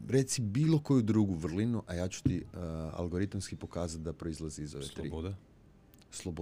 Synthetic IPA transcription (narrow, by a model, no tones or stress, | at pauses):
ɾet̪sibiːlˠo̞kojud̪ɾuːɡuʋr̩linuʔajaːt͡ɕu̥t̪ia̰lɡo̞ɾit̪umskipo̞kaːzat̪̚d̪apɾo̞izlˠaziizoʋet̪ḭd | slˠobo